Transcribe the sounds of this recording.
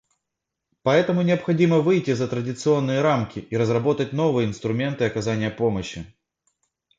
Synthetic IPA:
pɐɛt̪əmʊnʲɪɐpxɐdʲiməvɨjtʲɪzət̪ɾədʲɪt̪sɨo̞nːɨjəɾamkʲɪʔiɾəzrɐbo̞t̪ətʲno̞vɨjəɪnst̪ɾʊmʲe̞nt̪ɨɐkɐzanʲɪjəpo̞məɕːɪ

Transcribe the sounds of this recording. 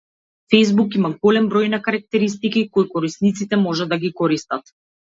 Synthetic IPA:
fejzbukimaɡɔlɛmbɾɔjnakaɾak̚t̪ɛɾist̪ikikɔjkɔɾisnit̪sit̪ɛmɔʒɛd̪aɡikɔɾist̪at̪

